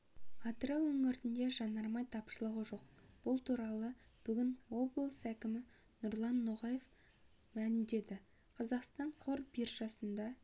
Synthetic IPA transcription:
ɑt̪əɾɑwɵŋɪɾt̪ɪnd̪e̞ʒɑnːɑɾmɑjt̪ʰɑpʃəlˠəʁəʒo̞q̚ | b̥ʊlˠt̪ʰuɾɑlˠəb̥ʏɡʲɪnwo̞blˠsækʲɪmɪ | nʊɾlˠɑnːoʁɑje̞f | mælɪmd̪e̞d̪ɪ | qʰɑzɑqst̪ɑɴqʰoɾbirʒɑsənd̪ɑ

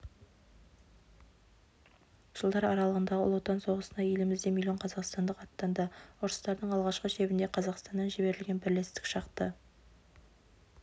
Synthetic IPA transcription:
ʒ̥əlˠd̪ɑɾɑɾɑlˠəʁənd̪ɑʁə̰lˠot̪ːɑnso̞ʁəsənɑje̞lɪmɪzd̪e̞mʲilʲoɴqʰɑzɑqst̪ɑnd̪əqɑt̪ːɑnd̪əʊɾəst̪ɑɾd̪əɴɑlˠʁɑʃqəʃe̞bɪnd̪e̞qʰɑzɑqst̪ɑnːɑnʒɪbe̞ɾɪlɡʲe̞nbɪɾlest̪ɪ̥kʃɑqt̪ə

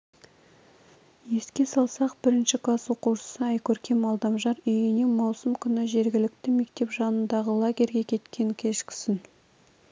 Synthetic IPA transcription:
je̞skʲe̞sɑlˠsɑqb̥ɪɾɪnʃɪklˠɑsoquʃə̥səɑjkʲʰɵɾkʲe̞mɑlˠd̪ɑmʒɑɾʏjɪnemɑwsəmkʲʰʏnɪʒe̞ɾɡʲɪlɪk̚t̪ɪme̞k̚t̪e̞pʒɑnənd̪ɑʁəlˠaɡʲe̞ɾɡʲe̞kʲʰe̞t̪kʲʰe̞ŋkʲʰe̞ʃkʲɪ̥sɪn

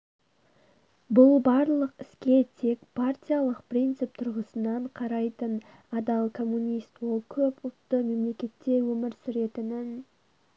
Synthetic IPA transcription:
bʊlˠbɑɾlˠəqɪskʲe̞t̪ʰe̞kpʰart̪ʲijalˠəqprijnt̪sɨp̚t̪ʰʊɾʁəsənɑɴqʰɑɾɑjt̪ən | ɑd̪ɑlˠkʰo̞mːunʲijst̪wo̞lˠkʲʰɵpʊlˠt̪ːəme̞mle̞kʲe̞t̪ːe̞wɵmɪɾsʏɾe̞t̪ɪnɪn

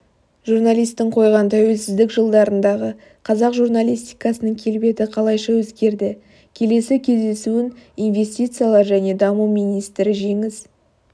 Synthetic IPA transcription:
ʒuɾnalijst̪ːɪɴqʰo̞jʁɑnt̪ʰæwe̞lsɪzd̪ɪkʒəlˠd̪ɑɾənd̪ɑʁə | qʰɑzɑqʒurnalʲijst̪ijkɑsənəŋkʲʰe̞lbe̞t̪ɪqʰɑlˠɑjʃɑwɵzɡʲe̞ɾd̪ɪ | kʲʰe̞le̞sɪkʲʰe̞zd̪e̞suɪnijnve̞st̪ʲijt̪sɨjalˠɑɾʒæne̞d̪ɑmumijnijst̪ɾɪʒe̞ŋɪz

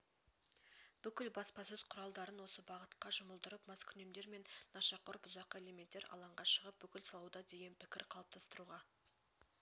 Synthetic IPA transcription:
b̥ʏkʲɪlbɑspɑsɵz̥qʰʊɾɑlˠd̪ɑɾənwo̞səbɑʁət̪qɑʒʊməlˠd̪əɾəpmɑskʲʰʏne̞md̪e̞ɾme̞nːɑʃɑqʊɾpʊzɑqːəe̞le̞me̞nt̪ːe̞ɾʔɑ̰lˠɑɴʁɑʃəʁəp̚bʏkʲɪlsɑlˠɑwd̪ɑd̪e̞ɡʲe̞npʰɪkʲɪ̰ɾqʰɑlˠəp̚t̪ʰɑst̪əɾuʁɑ

